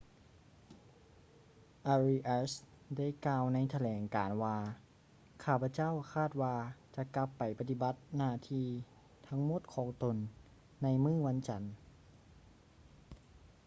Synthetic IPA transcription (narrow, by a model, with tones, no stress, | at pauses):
ʔa˧ɾi˧ʔa˧˥s | da˥˩˨jkaː˧wna˧˥jt̪ʰa˧lɛː˨˩˦ŋkaː˨˩nwaː˧ | kʰaː˥˩pʰa˧˥t͡ɕa˥˨wkʰaː˥˩t̪̚waː˧t͡ɕa˧ka˧˦pːa˨˩jpa˧t̪i˧ba˧˦t̪̚naː˧˩˨t̪ʰiː˧ | t̪ʰa˧˥ŋmo˧˥˩t̪̚kʰɔː˨˦ŋt̪o˨˩nː | a˧˥jmɯː˥˩wa˧˥nt͡ɕa˨˩n